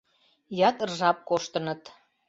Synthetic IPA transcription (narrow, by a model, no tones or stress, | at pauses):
jɑt̪rʒɑp̚koʃt̪ənə̆t̪